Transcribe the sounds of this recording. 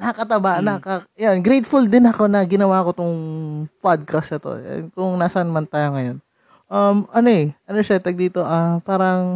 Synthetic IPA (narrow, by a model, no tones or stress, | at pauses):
nɐkɐt̪ɐbaʔnɐkɐjanɡɾejt̪fuld̪ɪnhɐko̞nɐɡɪnɐwaːko̞t̪ʊŋpad̪̚kɐst̪ɐt̪o̰ɛ̰nkʊŋnaːsɐnɐmɐnt̪aːjoŋɐjo̞n | ʔɐmʔɐno̞ɛʔɐnoʃɛt̪ɐɡ̚d̪iːt̪o̞ʔapaːɾɐŋ